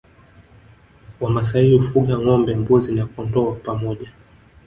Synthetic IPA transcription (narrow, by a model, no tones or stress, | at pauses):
wamas̬aiufuɠaŋɔmbɛmbuzinakɔntɔapamɔʄa